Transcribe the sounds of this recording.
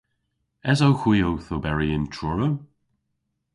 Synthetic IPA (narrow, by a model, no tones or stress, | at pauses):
ɛzowxwiːowθobɛɹiɪntʰɹʊɹə